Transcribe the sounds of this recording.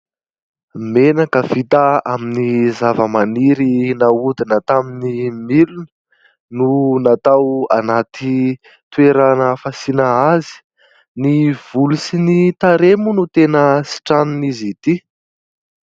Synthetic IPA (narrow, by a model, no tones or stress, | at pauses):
menakəvit̪əaminizavəmaniɾinaud̪inət̪aminimilun | nunat̪awa̰nat̪i | t̪ueɾanəfasinaazi̥ | niv̥ulusinit̪aɾemunut̪enəsi̥ʈ͡ʂaninizit̪i